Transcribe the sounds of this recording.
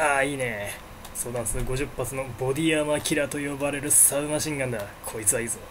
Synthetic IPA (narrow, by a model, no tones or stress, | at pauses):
aːiːne̞ | so̞ːd̪ãnsɡo̞ʑɨpːat͡sɨno̞bo̞d̪ʲiamakʲʰiɾat̪o̞jo̞baɾe̞ɾɯ̟saɯmaɕĩŋɡãnd̪akʰo̞it͡sɨβaiːzo